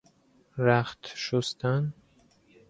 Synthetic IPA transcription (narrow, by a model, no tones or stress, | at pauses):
ɾæχt̪ʃost̪ʰæn